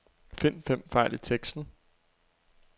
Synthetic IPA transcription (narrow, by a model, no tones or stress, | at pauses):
fe̝n̰fem̰fɑ̈ɪ̰lit͡sʰeɡ̥sd̥n̩